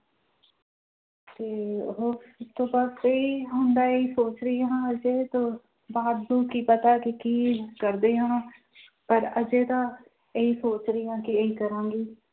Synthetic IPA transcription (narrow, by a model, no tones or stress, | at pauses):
t̪eːɦot̪oːbəseiɦõːnd̪aːeisoːt͡ʃɾəjɦãːəd͡ʒeːt̪oː | baːd̪ːũːkiːpət̪aːkikiːkəɾd̪eːɦãː | pəɾəd͡ʒeːt̪aː | eiːsoːt͡ʃɾəijãːkieikəɾãːɡiː